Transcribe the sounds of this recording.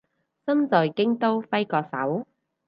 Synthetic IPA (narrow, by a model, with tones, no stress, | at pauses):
t͡sɐ˥nt͡sɔː˨jkɪ˥ŋt̪o˥wfɐ˥jkɔː˧sɐ̰˨˥w